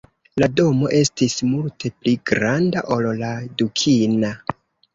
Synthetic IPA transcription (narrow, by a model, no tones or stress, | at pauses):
lado̞mo̞ʔe̞stismultʰe̞pliɡɾandaʔolladukʰina